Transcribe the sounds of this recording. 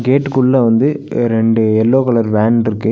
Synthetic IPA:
ɡeːʈːkʊɭːɐʋɐnd̪ɯ | ɾɛɳɖɯɛlːoːkɐɭɐɾʋaːnɪɾɯkːɯ

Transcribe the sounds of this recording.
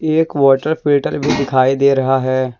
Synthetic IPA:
eːkʋaːʈəɾpʰɪlʈəɾbʱid̪ɪkʰaːid̪eːɾɐɦaɦɛː

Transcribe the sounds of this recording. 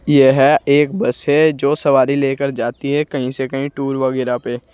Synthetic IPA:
jeɦɛeːk̚bɐsɦɛd͡ʒoːsɐʋaːɾileːkəɾd͡ʒaːt̪iɦɛkɐɦĩsekɐɦĩʈuːɾʋɐɡɛːɾapeː

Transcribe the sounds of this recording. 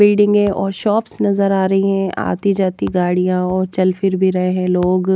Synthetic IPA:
bɪːɖɪ̃ŋɡẽʔɔːɾʃɔːpsnɐzəɾaːɾɐɦiɦɛ̃ʔa̰ːt̪id͡ʒaːt̪iɡaːɽijãɔːɾt͡ʃɐlfɪɾbʱiɾɐɦeɦɛ̃loːɡ

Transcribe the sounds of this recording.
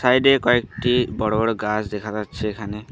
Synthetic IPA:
sajɖekɔek̚ʈibɔɽobɔɽoɡasd̪ekʰazat͡ʃʰekʰane

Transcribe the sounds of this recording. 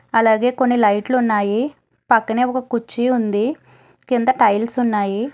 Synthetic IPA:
ɐlaːɡe̞ːko̞nːilɐjʈluunːaːji | pɐkːɐneːɔkɐkut͡ʃːiund̪i | kind̪ɐʈɐjlsunːaːji

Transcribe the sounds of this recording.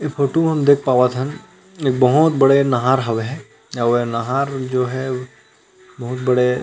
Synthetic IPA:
epʰoːʈoɦɐmd̪eːk̚ʰpaːʋat̪ʰɦən | eːk̚bɐɦʊt̪bɐɽenɐɦaːɾɦɐʋeɦɛ̃ | aʋenɐɦaːɾd͡ʒoːɦɛ | bɐɦʊt̪̚bɐɽe

